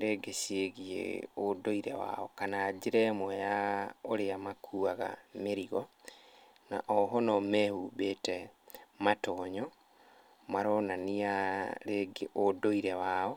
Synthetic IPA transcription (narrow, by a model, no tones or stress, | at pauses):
ɾeɡeseɣiḛodoiɾɛ̰wa̰ɔkanaːd͡ʑeɾɛmwɛjaoɾeamakʰuaɣa̰meɾiɣɔ | na̰ʔɔɦɔnɔmɛhuβetɛmatɔːɲɔ | maɾɔnaniaɾeɡeodoiɾɛwaɔ